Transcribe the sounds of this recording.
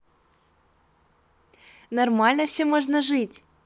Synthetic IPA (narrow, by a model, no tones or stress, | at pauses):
nɐrmɑlʲnəfsʲemoʐnəʐɨtʲ